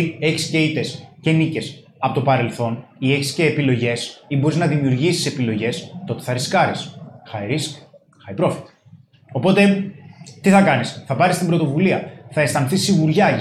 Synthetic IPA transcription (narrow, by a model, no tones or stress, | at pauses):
e̞çi̥sce̞it̪e̞sce̞nice̞s | ɐpo̞t̪o̞pɐɾe̞lθo̞nie̞çi̥sce̞ːpilo̞ʝe̞sibo̞ɾiznɐðimiuɾʝisi̥se̞pilo̞ʝe̞st̪o̞t̪e̞̥θɐɾiskɐɾisxɐeɾis | xɐjpɾo̞fi̥t̪i̥ | o̞po̞t̪e̞t̪iθɐkɐnisθɐpɐɾist̪imbɾo̞t̪o̞vuliɐθɐe̞st̪ɐnθisːiɣuɾʝɐ